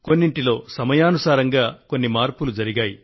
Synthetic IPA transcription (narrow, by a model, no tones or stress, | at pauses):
ko̞nːiɳʈilo̞ːsɐmɐjaːnusaːɾɐŋɡaːko̞nːimaːɾpulud͡ʒɐɾiɡaːji